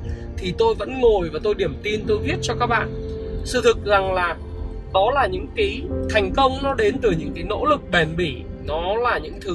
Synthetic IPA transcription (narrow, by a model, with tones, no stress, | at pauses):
t̪ʰi˨˩t̪o˧jvə̰˧˥nŋo˨˩jvaː˨˩t̪o˧jɗi˧˩əmt̪i˧nt̪o˧jvi˦˥ət̚t͡ɕɔ˧kaː˦˥k̚ɓa̰ː˧˨nsɨ̰˧˩t̪ʰɨ˨˩k̚za˨˩ŋlaː˨˩ | ɗɔ˨˦laː˨˩ɲɨ̰˧˥ŋki˨˦t̪ʰa˨˩jŋ̟kə˧wŋ͡mnɔ˨˦ɗe˨˦nt̪ɨ˨˩ɲɨ̰˧˥ŋkaː˨˦jno̰˧˥lɨ˨˩k̚ɓɛ˨˩nɓi˧˩nɔ˨˦laː˨˩ɲɨ̰˧˥ŋt̪ʰɨ˨˦